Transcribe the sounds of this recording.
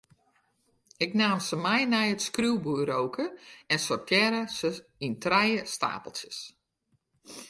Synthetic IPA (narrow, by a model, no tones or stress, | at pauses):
ɪknaːmsəmɛjnɛjətskruwbuːɾowkʰəɛnsɔrtʰjɛɾəsəintrɛjəsta̰ːpəlˠsjəs